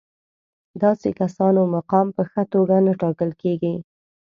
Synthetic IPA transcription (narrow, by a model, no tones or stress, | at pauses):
d̪ɑsekasɑnomaqɑmpəxət̪oɡanaʈɑkəlkeɡi